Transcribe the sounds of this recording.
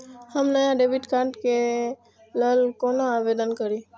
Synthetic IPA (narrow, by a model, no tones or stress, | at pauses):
həmnəjãɖebiʈkãɳʈke | ləlkonoaʋed̪ənkəɾi